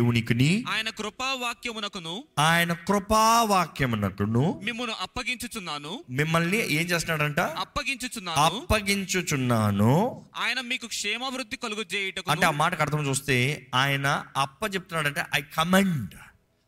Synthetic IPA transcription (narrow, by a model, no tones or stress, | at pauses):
wuniːkɐniaːjɐnɐkɾupaːʋaːkjɐmunɐkunuaːjɐnɐkɾupaːʋaːkjɐmunɐkunumimːɐnuʔɐpːɐɡiɲt͡ʃut͡ʃunːaːnumimːɐlniʔe̞ːmt͡ʃeːst̪ːnːaːɽɐɳʈaːɐpːɐɡiɲt͡ʃut͡ʃunːaːɐpːɐɡiɲt͡ʃut͡ʃunːaːnuaːjɐnɐmiːkukʂɛːmɐʋɾud̪ʱːikɐluɡud͡ʒeːjɐʈɐkuɐɳeaːmaːʈɐkɐɽt̪ɐmt͡ʃuːst̪e̞ːaːjɐnɐɐpːɐt͡ʃep̚ut̪unːaːɽɐɳʈeːʔɐjkʰɐmeɳɖ